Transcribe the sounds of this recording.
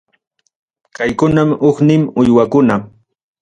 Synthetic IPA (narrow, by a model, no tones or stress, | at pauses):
kajkʊnamoχnɪmʊjwakʊna